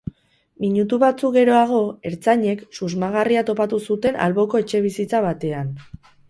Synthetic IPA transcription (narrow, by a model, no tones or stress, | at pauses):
miɲut̪uβat͡sukɡe̞ɾo̞aɣ̞o̞e̞ɾt͡saɲe̞ksuzmaɣariat̪o̞pat̪usut̪e̞na̰lβo̞ko̞e̞t͡ʃe̞β̞isit͡saβ̞at̪e̞an